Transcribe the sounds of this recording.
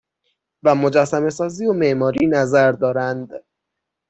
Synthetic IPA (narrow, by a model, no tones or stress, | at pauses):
væmo̞d͡ʒæsːæme̞sɒːziːome̞ʔmɒːɾiːnæzæɾd̪ɒːɾænd̪